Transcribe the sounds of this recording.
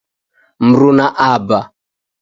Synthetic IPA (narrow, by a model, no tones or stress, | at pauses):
m̩ɾunaʔaba